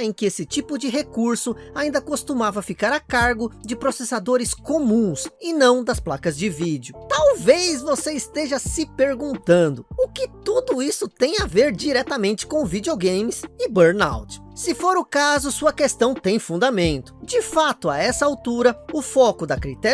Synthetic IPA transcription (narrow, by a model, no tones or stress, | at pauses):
ẽj̃kɪesɪt͡ʃipʊd͡ʒɪɦekuɾsʊ | aĩnd̪ɐkost̪umavɐfikaɾakaɾɡʊd͡ʒɪpɾosesad̪oɾɪskomũsɪnɐ̃w̃d̪ɐsplakɐzd͡ʒɪvid͡ʒiʊt̪awvezvoseɪst̪eʒɐsɪpeɾɡũnt̪ɐ̃nd̪ʊʊkɪt̪ud̪ʊisʊt̪ẽj̃aveɾd͡ʒiɾɛt̪ɐmẽnt͡ʃɪ̥kõw̃vid͡ʒioɡẽjmɪsɪbeɾna̰wt͡ʃɪ̥sɪfoɾʊkazʊsuɐkest̪ɐ̃w̃t̪ẽj̃fũd̪amẽnt̪ʊd͡ʒɪfat̪ʊaɛsɐawt̪uɾɐʊfɔkʊd̪ɐkɾit̪ɛ